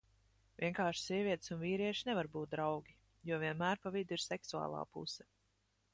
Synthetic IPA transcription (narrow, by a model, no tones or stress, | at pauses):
vʲiɛŋkaːɾʃsiɛvʲiɛt̪sunviːɾiɛʃinɛvaɾbuːt̪̚d̪ɾawɡʲi | juɔviɛnmæːɾpavid̪iɾsɛksua̰ːlˠa̰ːpṵsɛ̥